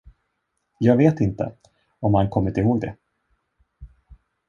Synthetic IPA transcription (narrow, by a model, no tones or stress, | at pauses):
jɑːɡveːt̪ɪnt̪ə̰ | ɔmhankʰɔmːɪt̪ɪhoːɡd̪ɛ̰